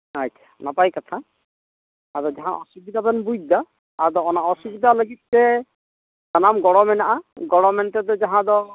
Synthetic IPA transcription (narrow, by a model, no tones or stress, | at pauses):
əct͡ʃʰḁnapajkɔt̪ʰa | d̪ɔd͡ʒaɦãʔɔsubid̪abɛnbud̪aː | d̪ɔɔnaɔsubid̪aləɡit̪̚sɛ | d͡ʒanamɡɔɽɔmɛnaʔaɡɔɽɔmɛnt̪ɛd̪ɔd͡ʒaɦãd̪ɔ